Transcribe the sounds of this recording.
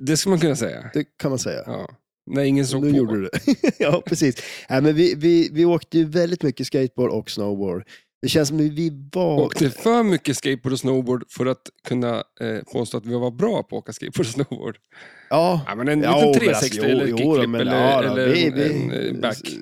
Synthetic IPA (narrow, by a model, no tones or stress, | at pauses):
d̪ɛskɯləmankɵnːasɛ̰jːa̰d̪ɛkʰanmansɛ̰jːa̰ɑ̰ | nɛɪŋːənsɔnʉjuːɖəd̪ɛjɑːpʰɾɛsiːsnæɪmɛnvɪvɪvɪoːkt̪əjɵvɛld̪ɪt̪mʏkːəskɛɪt̪̚boːɖɔksnoʊbo̰ːɖ | d̪̥ɛɕɛnsɔmvɪvaoːkt̪əfœɾmʏkːəskejt̪̚boːɖɔsnoʊboːɖfœɾat̪kʰɵnːapʰo̰ːst̪oːat̪vɪavabɾɑːpʰɔo̰ːkaskɛ̰jt̪̚boːɖɔsnobo̰ːɖ̥ | jɑːa̰mɛnɛnːʰɾsɛ | mɛɛlːəɛlːəɪvɪbækː